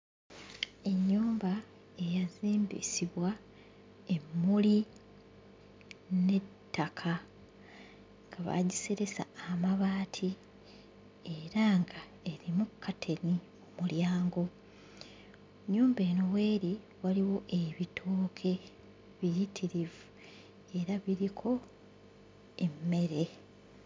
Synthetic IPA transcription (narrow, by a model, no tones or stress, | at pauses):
e̞ɲːuːmba | e̞jaziːmbḭsiβwa | e̞mːuli | ne̞tːakʰa | ŋɡaβa̰ɟise̞ɾe̞sa̰ːmaβaːtʰi | eɾaŋɡa | e̞ɾimukʰːatʰe̞ni | umuljaːŋɡo̞ | ɲuːmbe̞ːno̞we̞ːɾi | waliwo̞ʔe̞βitʰoːkʰe̞ | βijitʰiɾivu | e̞ɾaβiɾikʰo̞ | emːe̞ɾe̞